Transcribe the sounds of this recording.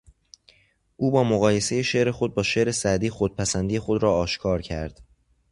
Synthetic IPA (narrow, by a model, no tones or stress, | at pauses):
ʔuːbɒːmoɣɒːje̞se̞je̞ʃe̞ʔɾe̞xo̞d̪̚bɒːʃe̞ʔɾe̞sæd̪iːxod̪̥̚pʰæsænd̪ije̞xo̞d̪ɾɒːɒːʃkʰɒːɾcʰæ̰ɾd̪̥